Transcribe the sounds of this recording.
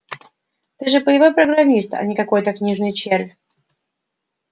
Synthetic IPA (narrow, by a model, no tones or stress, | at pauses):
t̪ɛʐɛpɔjɛvawpɾɔɡɾamʲist̪a̰ɲʲikakɔjt̪akɲiʐnɨt͡ɕɛɾv